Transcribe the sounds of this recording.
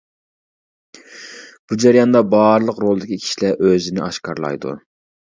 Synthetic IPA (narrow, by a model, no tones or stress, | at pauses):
b̥ud͡ʒæɾjɑnd̪ɑbɑɾlˠəqɾolˠɨd̪ɪkʲʰikʲʰi̥ʃilæʔøzɪnɪɑʃkɑɾlˠɑ̰jd̪ṵ